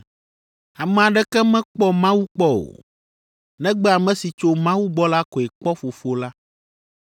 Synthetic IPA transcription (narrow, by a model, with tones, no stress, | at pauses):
a˨mɛ̃˨a˨ɖɛ˦kɛ˦mɛ̃˦k͡pɔ˦mã˦wu˦k͡pɔ˦o̰˨ | nɛ̃˦ɡ͡bɛ˦a˨mɛ̃˦si˨t͡ʃo˦mã˦wu˦ɡ͡bɔ˦la˦kɔ˨ɛ˨k͡pɔ˦fo˨fo˦la˦